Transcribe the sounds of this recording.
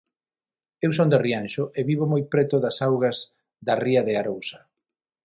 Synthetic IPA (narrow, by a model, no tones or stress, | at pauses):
ewsond̪erianʃʊʔeβiβomojpɾɛt̪ʊðɐsawɣɐz | ðɐriɐðeaɾowsɐ̥